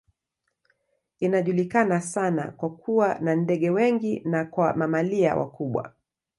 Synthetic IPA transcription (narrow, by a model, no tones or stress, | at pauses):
inaʄulikanasana̰kwakʰuwanandɛɠɛwɛŋɡinakwamamalia̰wʔa̰kuɓwa̰